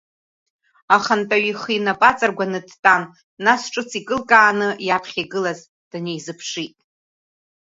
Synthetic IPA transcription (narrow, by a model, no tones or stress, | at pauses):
aχantʼaɥiχinapʼat͡sʼarɡʷanɨdtʼam | nasʈ͡ʂʼɨt͡sʰikʼɨlkʼaːnɨjapʰχʲiɡɨlaz | d̥ane̞jzɨpʰʂitʼ